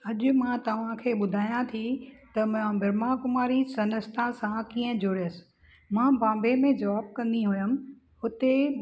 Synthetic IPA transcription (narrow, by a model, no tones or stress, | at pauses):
ɐʄʊmãt̪ɐʋ̤ãkʰeːɓʊd̪ʱaːjãt̪ʰit̪ɐmãbɪɾmakʊmaːɾisɐnəst̪ʰãsãkiːə̃d͡ʑoːɾijəsɪ̥̆ | mãːbãːmbemẽd͡ʑɐʋaːb̚kɐ̃nd̪iɦʊjʊmɪ̆ | ɦʊt̪e